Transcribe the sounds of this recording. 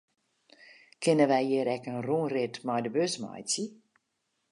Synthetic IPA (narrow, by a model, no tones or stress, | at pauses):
kɪnəʋɛjiəɾɛkənruŋrɪtmajdəbøsmɑ̰jt͡si